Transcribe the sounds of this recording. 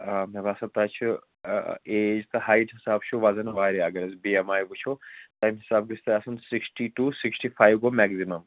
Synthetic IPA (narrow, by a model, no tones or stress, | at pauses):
meʋaːsɐt̪ɐt͡ʃʰi | eːd͡ʒt̪ɐɦaːjʈɦisaːbt͡ʃʰuʋazɐnʋaːɾiɐɡɐɾɐsbiemaːjʋut͡ʃʰot̪ajmɦisaːb̚ɡist̪ɐɐsɐnsiksʈiʈuːsiksʈiːfʰajʋɡomɛɡzimɐm